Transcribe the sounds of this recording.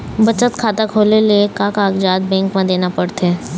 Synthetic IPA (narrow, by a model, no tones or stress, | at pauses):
bɐt͡ʃət̪kʰaːt̪akʰoːleliekaːkaːkd͡ʒaːd̪̚bɛ̃ːŋkmãd̪eːnapɐɽt̪eː